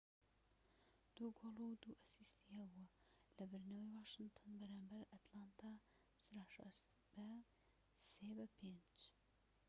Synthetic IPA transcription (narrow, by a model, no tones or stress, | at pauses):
d̪̥uɡolˠuwd̪uʔasist̪ʰihɐbuɐ | lɐbɨɾnɐwejwaːʃɨnt̪ʰɔnbɐɾaːmbɐɾɐt̪lant̪ʰa | sɾaʃɐ̰s | b̥æ | sebɐpʰend͡ʒ